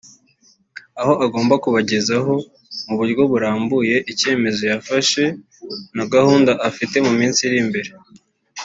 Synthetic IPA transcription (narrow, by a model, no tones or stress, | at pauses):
aho̞ʔaɡo̞ːmbakuβaɟe̞zaɦo̞ | muβuɾɡo̞βuɾaːmbuje̞ʔice̞ːme̞zo̞jafaʃe̞ | naɡahuːndaʔafite̞mumiːnsiɾimbe̞ɾe